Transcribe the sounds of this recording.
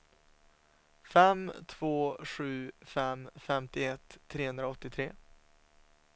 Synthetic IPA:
fɛmt̪ʰvoːɧʉ̟ːfɛmfɛmt̪ɪɛt̪ʰːɾeːhɵnd̪ɾaɔt̪ːɪt̪ʰɾeː

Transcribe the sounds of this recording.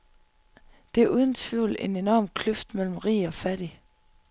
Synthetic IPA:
d̥e̝æɐʔuːðˠn̩t͡sʰʋy̰ːle̝ne̝nɒːmkʰløfd̥mel̰m̩ʁḭːɒ̽fæɾ̥i

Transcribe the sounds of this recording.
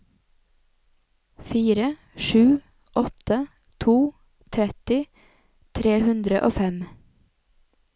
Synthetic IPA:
fiːɾə | ʃʉː | ʔɔt̪ə | t̪ʰuː | t̪ʰɾɛt̪ɪ | t̪ʰɾeːhʉnd̪ɾəʔo̰ːfɛm

